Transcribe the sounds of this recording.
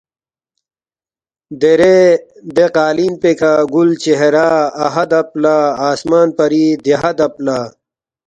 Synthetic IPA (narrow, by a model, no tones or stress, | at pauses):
d̪eɾed̪eqaːliːnpekaɡult͡ɕeɦeɾaːɦɐd̪ɐplaaːsmaːnpɐɾid̪eɦɐd̪ɐplaː